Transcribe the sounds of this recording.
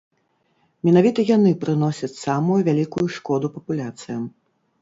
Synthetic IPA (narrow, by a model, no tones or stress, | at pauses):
mʲɛnavʲit̪ɐjanɨpɾɨnɔsʲɐt͡sʲsamujuvʲalʲikujuʂkɔd̪upɐpulʲat̪sɨjɐm